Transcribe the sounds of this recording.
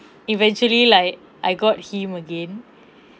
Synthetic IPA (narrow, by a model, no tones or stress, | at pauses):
ivɛ̃nt͡ʃuəlilaɪk | ʔajɡɔt̚hĩməɡɛ̃n